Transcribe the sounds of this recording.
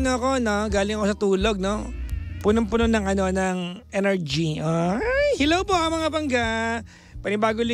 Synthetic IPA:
noɐko̞no̞ɡaːlɪŋɐkosɐt̪uːlo̞ɡ̚no̞ | punoŋpʊnonɐŋɐno̞nɐŋʔɛnɛɹd͡ʒiʔoahɪlowpoʔɐŋmɐŋabɐŋɡa | pɐnɪbaːɡolɪ

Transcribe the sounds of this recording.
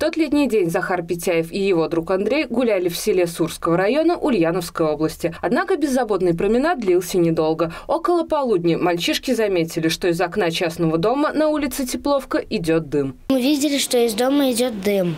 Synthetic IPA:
t̪o̞t̪lʲet̪̬ʲnʲɪjdʲenʲzɐxarpʲɪtʲæjɪfɪjɪvo̞d̪ɾukɐnd̪ɾʲejɡʊlʲælʲɪfsʲɪlʲe̞surskəvəɾɐjo̞nəʔʊlʲjanəfskəjo̞blˠəsʲtʲɪɐd̪nakəbʲɪzːɐbo̞t̪nɨjpɾəmʲɪnat̪̚d̪lʲilˠsʲənʲɪd̪o̞lˠɡəo̞kəlˠəpɐlˠudʲnʲɪmɐlʲt͡ɕiʂkʲɪzɐmʲetʲɪlʲɪʂt̪o̞ɪzɐkn̪at͡ɕasnəvəd̪o̞mənɐulʲɪt̪sɨtʲɪplˠo̞fkəʔɪdʲo̞t̪̚d̪ɨmmɨvʲidʲɪlʲɪʂt̪o̞ɪzd̪oməɪdʲo̞t̪̚d̪ɨm

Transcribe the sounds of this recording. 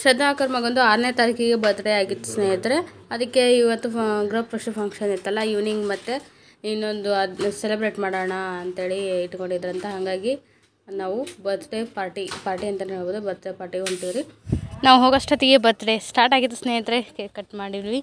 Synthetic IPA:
ʃɐd̪naːkɐɾmɐɡond̪uaːɾneːt̪aːɾikʰɛɡe̞bɐt̪ɽeaːɡit̪ːu̥sneːjɐt̪ɾe̞ | ɐd̪ɐkːe̞iʋɐt̪ːuɡɾɐːppɾɐʃupʰɐŋkʂɐnit̪ːɐlːɐjuʋniŋɡmɐt̪ːe | inːo̞nd̪uɐselebɾeːʈmaːɽoːɳɐɐnt̪ɦe̞ːɭiiʈko̞ɳɖid̪ɐɾɐnt̪ɐɦɐŋɡaːɡi | naːʋubɐt̪ʈepaːɾʈipaːɾʈiɐnt̪ɐneɦoboːd̪ubɐt̪ɾepaːɾʈiɡeont̪id̪iɾinaːʋuɦoːɡɐsʂʈɐt̪iɡebɐt̪ɽesʈaːɾʈaːɡit̪ːu̥sneːjɐt̪ɾekɐʈmaːɽiʋlʋi

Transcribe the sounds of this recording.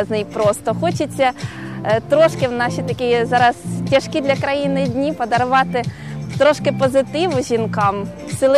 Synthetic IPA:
znɪjpɾɔst̪ɔxɔt͡ʃɪt͡sʲːɐ | t̪ɾɔʃkɪwnɑʃit̪ɐkʲɪjɛzɑɾɐztʲɐʃkid̪ʲlʲɐkɾɐjinɪdʲnʲipɔd̪ɐɾʊʋɑt̪ɪ | t̪ɾɔʃkɪpɔzɪt̪ɪʋʊʒʲinkɑm | sʲɪlˠ

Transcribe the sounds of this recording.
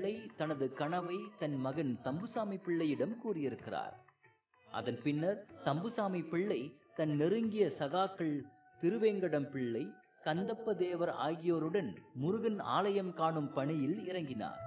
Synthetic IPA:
ɐɪt̪ɐnɐðɯkɐɳɐʋɐɪt̪ɐnmɐɣɐnt̪ɐmbɯsaːmipɪɭːɐjɪɽɐmkuːrɪjɪɾɯkːɪra̰ːɾ | ʔɐ̰ðɐnpɪnːɐɾt̪ɐmbɯsaːmipɪɭːɐɪt̪ɐnːɪɾɯŋɡɪjɐsɐɣaːkːɐɭ | t̪ɪɾɯʋeːŋɡɐɽɐmpɪɭːɐɪ | kɐnd̪ɐpːɐd̪eːʋɐɾa̰ːɣɪjoːɾɯɽɐnmʊɾʊɣɐna̰ːlɐjɐmkaːɳɯmpɐɳɪjɪlɪɾɐŋɡɪna̰ːɾ

